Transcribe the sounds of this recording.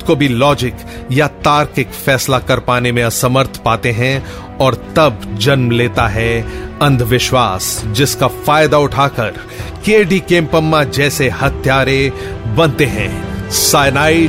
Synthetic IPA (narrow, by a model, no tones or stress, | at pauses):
kobʱilɔːd͡ʒɪk | jat̪aːɾkɪkfɛːslakɐɾpaːnemẽɐsəməɾt̪ʰpaːt̪eɦɛ̃ | ɔːɾt̪ɐbd͡ʒɐnmleːt̪aɦɛɐ̃nd̪ʱʋɪʃwaːsd͡ʒɪskafaːjd̪aʊʈʰaːkɐɾ | keːɖikẽːmpəmːad͡ʒɛːsehɐt̪ʰjaːɾebɐ̃nt̪eɦɛ̰̃ːsaːɪnaː